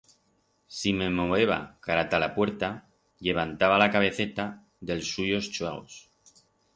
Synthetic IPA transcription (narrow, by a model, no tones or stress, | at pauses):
sime̞moβe̞βa̰kaɾat̪alapwe̞ɾt̪a | ʎe̞β̞ant̪aβalakaβ̞e̞θe̞t̪a | ðe̞lsːuʝo̞st͡ʃweɣ̞o̞̰s